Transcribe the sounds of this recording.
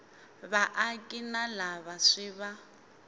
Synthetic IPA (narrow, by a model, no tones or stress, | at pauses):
βaʔakʼinalaβaʂiβa